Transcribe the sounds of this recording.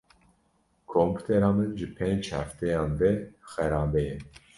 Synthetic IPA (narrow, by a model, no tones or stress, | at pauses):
kʰompʲu̥t̪ʰɛɾɑːmɨnʒɨpʰent͡ʃhæ̰ft̪ɛjɑːnd̪ɛxɛɾɑːbɛjɛn